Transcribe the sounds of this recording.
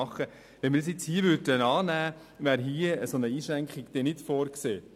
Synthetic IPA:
ɑχːə | ʋɛnmɪɾdsjɪt͡shiːəʋʏdənɑːnæː | ʋæːɾɦiəəsonəiːʃɾæŋkχiɡ̥d̥̪ɛnɪtfoːɾkseː

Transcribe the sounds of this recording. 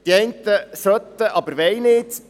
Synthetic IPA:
d̥̪iɛjnt̪əsœt̪ːəʔɑbəɾʋɛjnɪt̪

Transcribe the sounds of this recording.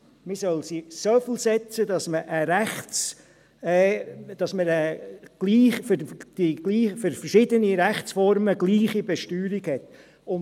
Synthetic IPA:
misœlsisofɪlsɛt͡səd̪ɑsməʔəɾɛχt͡sː | d̥ɑsməɾəɡ̥liːχfd̥iɡ̥liːfəɾfəɾʃɪdəniɾæχt͡sfɔɾməɡliːχibɛʃtyːɾiɡhɛt | ʊn

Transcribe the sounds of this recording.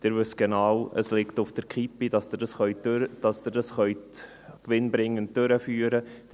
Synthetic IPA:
d̥ɪɾʋʏsɡ̥enɑːwə̰slɪktʊfd̥əɾkχipidɑsd̪ɪdɑsχœʏd̥ɑsd̪ɪɾdɑsχœʏt | kʋɪnbɾɪŋːəntdøɾəfyːɾə

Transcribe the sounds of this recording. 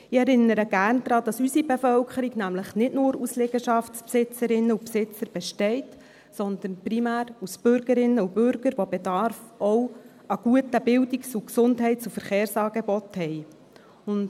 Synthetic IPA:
ɪɛɾɪnːəɾəɡ̥æːɾnd̥̪ɾɑːd̥̪ɑsysibefœlkʰəɾiɡnæmləχnɪtnʊːɾusleːɡ̥əʃɑftspsɪt͡səɾɪnːəupsɪt͡səɾb̥ɛʃtɛɪt | sɔnd̪ənprimæːɾusb̥ʏɾɡ̥əɾɪnːəubʏɾɡ̥əɾʋobedɑɾfɔw | ɑɡ̥uətəbɪldiksuksʊndɦɛɪtt͡sufəɾχeːɾsɑːɡebɔt̪hɛj | ʊnd

